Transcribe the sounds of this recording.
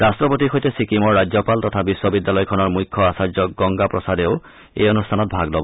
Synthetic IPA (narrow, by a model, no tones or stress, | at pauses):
ɹastɹɔpot̬ixojtesikimɔɹːad͡ʑjɔpaltɔtʰabiswɔbidːjalɔjkʰɔnɔɹmujkʰːɔasad͡ʑjɔk̚ɡɔŋɡapɹɔsadeo | ḛjɔnustʰanɔt̚bʱaɡlɔbɔ